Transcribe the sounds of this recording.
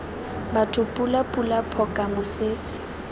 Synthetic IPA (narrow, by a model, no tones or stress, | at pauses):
batʰʊpʼulapʼulapʰɔkʼamʊsɪːsɪ̥